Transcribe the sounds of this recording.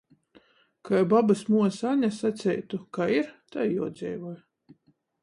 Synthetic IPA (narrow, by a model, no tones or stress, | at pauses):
kajbabasmuɔsaɲasat̪sʲɛjt̪ukaiɾt̪ajjuɔd̪zʲɛ̰jvuj